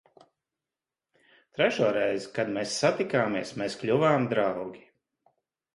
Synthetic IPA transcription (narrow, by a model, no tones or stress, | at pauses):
t̪ɾɛʃuɔɾɛjzikad̪meːsːat̪ikaːmiɛsmeːsklʲuvaːmd̪ɾawɡʲi